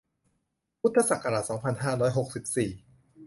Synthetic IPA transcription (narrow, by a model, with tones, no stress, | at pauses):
pʰu˦˥t̪ʰːa˧sa˨˩ka˧ɾa˨˩t̪̚sɔː˩˦ŋpʰa˧nɦaː˥˩ɾɔː˦˥jɦo˨˩k̚si˨˩p̚siː˨˩